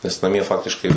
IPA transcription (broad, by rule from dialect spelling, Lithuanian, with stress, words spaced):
nʲɛs nɐˈmʲiɛ ˈfɑːktʲɪʃkɐɪ